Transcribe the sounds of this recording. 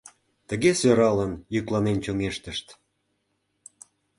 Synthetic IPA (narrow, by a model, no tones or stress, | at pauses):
t̪əɣesøɾɑlənjyklɑnent͡ɕoŋeʃt̪əʃt̪